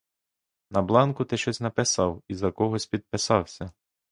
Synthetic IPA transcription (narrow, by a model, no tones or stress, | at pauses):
nɐblˠɑnkʊt̪ɪʃt͡ʃɔsʲnɐpɪsɑwizɐkɔɦɔsʲpʲid̪̚pɪsɑwsʲɐ